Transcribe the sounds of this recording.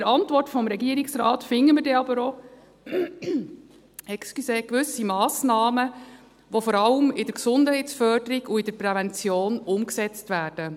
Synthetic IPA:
əɾɑntvɔrtfɔmɾɛɡiəɾiksɾɑːtfɪŋːəmədɛɑbəɾo | ɛkskyseːkʋɵsimɑːsnɑːmə | ʋofɔɾɑləmɪdəɾksʊndhɛɪtsfœrdəɾiɡuɪd̥əɾpɾɛvɛnt͡sjoːnʊmksɛt͡stvæːrd̥ə

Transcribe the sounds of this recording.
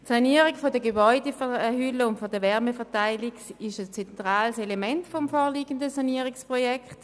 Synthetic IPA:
tsaniːəʁiɡfɔdəɡebɔʏdefhʏləʊntfodəʋɛʁmefɛɐtaɪliɡsɪʃəst͡sɛntʁaːlselemɛntfɔmfɔːʁliːɡəndəsaniəʁɪkspʁɔjɛkʰt

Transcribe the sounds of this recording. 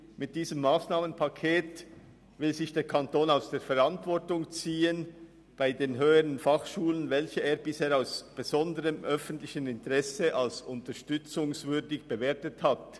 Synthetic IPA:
mɪt̚d̥iːzəmːaːsnaːmənpʰakʰeːt | vɪlzɪçd̥eːɾkʰantoːnaʊsd̥eːfɛɾɑntvɔɾtʊŋt͡siːən | b̥aɪdeːnɦøːəʁənfɑχʃuːlənvɛlçəeːɾbɪsheːɾaʊsb̥ezɔndəʁəmʔœfən̩tlɪçənɪntʁɛsəʔɑlsʊntəʃtʏt͡sʊŋsvʏɾdɪçb̥eveːɐtəthat

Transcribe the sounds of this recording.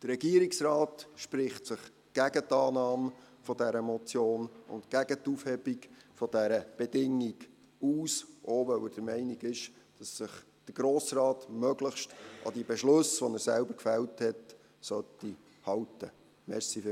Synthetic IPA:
d̥əɾːɛɡ̥iəɾiksrɑːtʃpɾɪχtsəχ | ɡ̥æɡət̪ɑːnɑːm | fɔdæɾəmɔt͡sjoːnʊ̰ntkæɡət̪ufhɛbikfɔd̥æɾəb̥ɛdɪŋːiɡ | uːsʔoːʋœwəd̥əɾmɛɪniɡɪʃ | d̥ɑsːɪχ | d̥əɾɡ̥ɾoːsrɑːtmœɡləχʃtɑ̰d̥ibɛʃlɵsʋɔnəɾsælbəɾkfælthɛt | sœtːi | hɑwtə | mɛɾsifɪ

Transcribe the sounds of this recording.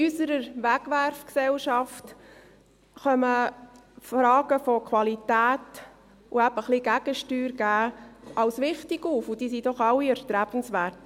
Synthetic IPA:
ysəɾəɾʋæɡʋæɾfksɛlʃɑft | χœmə | fɾɑːɡəfɔkʰwɑlitæːt | ʊæb̥əχliɡ̥æɡ̥əʃtyːɾɡæːɑlsʋɪχtɪɡ̥uːfʊd̥iːsidɔχɑlːiɛɾt̪ɾæb̥ən̩sʋæːɾt

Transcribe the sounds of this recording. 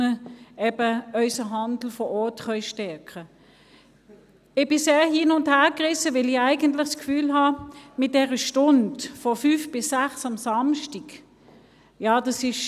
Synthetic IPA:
əɛbəœʏsəɦɑndl̩fɔʔɔɐtχœʏʃtɛɐkə | ɪb̥ɪseːhiːnʊnthɛːɐkʁɪsəʋɪliæɪɡəntlɪχskfyːlɦɑmɪt̚d̥ɛʁəʃtʊndfɔfyːfb̥ɪsːæχsɑmsɑmʃtiɡ | jɑːd̥ɑsɪʃ

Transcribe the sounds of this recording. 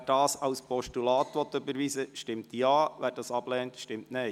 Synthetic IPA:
d̥ɑːsɑʊspɔʃtulɑːtʋɔt̪ʏbəɾʋisəʃtɪmt̪jɑːʋæːɾdɑsɑb̥lɛːntʃtɪmtnɛɪ

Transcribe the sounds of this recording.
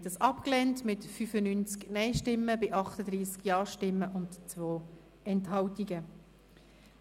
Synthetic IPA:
dəsɑpklɛntmɪtfyfənynt͡sknɛɪʃtɪmːəbɪʔɑχtəd̪ɾiːskjɑːʃtɪmːəʔʊntt͡sʋoː | ɛnthɑwtiɡə

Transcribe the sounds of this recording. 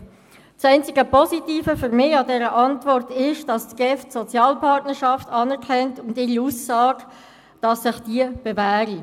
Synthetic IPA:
sɛɪnt͡sɪɡəpʰɔsitiːfəfʏɾmɪɑdɛːɾəʔɑntvɔrtɪʃd̥ɑssɡ̥ɛftsɔt͡sjɑːlpʰɑrtnəɾʃɑftʰɑːnɛɾkʰɛntʊndɪuːsːɑːɡ | d̥ɑsːɪχd̥iəb̥evæːɾi

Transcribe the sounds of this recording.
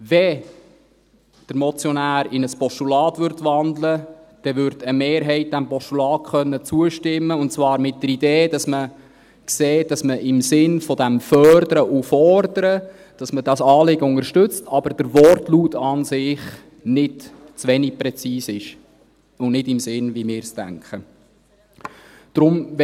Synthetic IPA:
vɛ | d̥əɾmɔt͡sjɔnæːɾɪnəspɔʃtulɑːtʋʏɾtʋɑnd̪ləd̥ɛvʏɾdəmeːɾɦɛɪt̚d̥æmpɔʃtulɑːt̚kχœnːət͡suəʃtɪmːəʊnt͡svɑːɾmɪt̚dəɾideːd̥ɑsmə | kseːt̚d̥ɑsməʔɪmsɪnfɔdæmfœrdəɾəʔufɔɾdəɾə | d̥ɑsməd̥ɑsɑːlɪɡəʊŋəɾʃtʏt͡stʰɑb̥əɾd̥əɾʋɔrtluːtɑnsɪχ | nɪdt͡svʋɛnik̚pɾɛt͡siːsɪʃ | ʊnnɪdɪmsɪnʋimɪːɾstæ̰ŋkχə | d̪̥ɾʊmʋ

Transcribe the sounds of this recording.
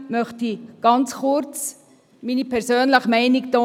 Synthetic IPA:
mœχtiɡ̥ɑnt͡sχʊɾt͡s | minipʰɛɾsøːnləχmɛɪniktɔ

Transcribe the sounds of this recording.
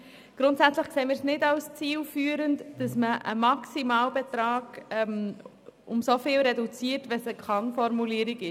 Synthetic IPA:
ɡ̥ɾʊntsæt͡sləχkseːmɪːɾsnɪdɑlst͡siːlfyːəɾəntd̥ɑsməʔə̰mɑksimɑːlbɛt̪ɾɑːɡ̥ɛm | ʊmsofɪːlɾɛdut͡siːəɾtʋɛsəkχɑŋfɔɾmuliːəɾiɡɪ

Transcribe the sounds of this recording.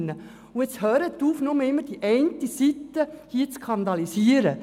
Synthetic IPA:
nːə | uɪt͡shœːɾət̪ːuːfnʊməɪmːəɾd̥iʔɛɪnt̪isit̪ːəhiːt͡skʰɑnd̪ɑlisiəɾə

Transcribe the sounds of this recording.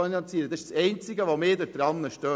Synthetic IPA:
inɑnt͡siːɾəd̥̪ɑɪʃsɛɪnt͡sɪɡəʋomɪːd̪əɾd̥̪ɾɑnːəʃtøː

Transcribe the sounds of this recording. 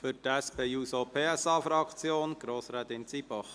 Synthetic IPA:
fyɾtɛspʰeːjuːsopʰeːɛsɑːfɾɑkt͡sjoːnɡ̥ɾoːsɾɛːt̪ɪnt͡siːbɔχ

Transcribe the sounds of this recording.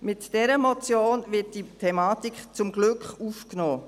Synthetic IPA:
mɪtd̥ɛɾəmɔt͡sjoːnvɪt̚d̥itʰɛmɑːtikχt͡sʊmɡlʏkχufknoː

